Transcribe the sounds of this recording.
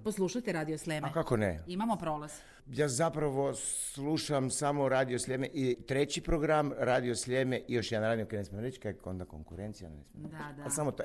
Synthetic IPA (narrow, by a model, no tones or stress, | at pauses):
poslˠuʃat̪eɾaːd̪ioslʲemkakonḛimamopɾoːlaz̥ | jaːzapɾaʋo̞s | lˠuʃamsamo̞ɾaːd̪iosʎʲeːmeʔit̪ɾe̞t͡ɕipɾoɡɾamɾaːd̪iosʎemeʔijo̞ʃjanaɾaːd̪iokenesmemɾet͡ɕkaond̪ako̰ŋkuɾent̪sija̰nnḛsmʲealsamot̪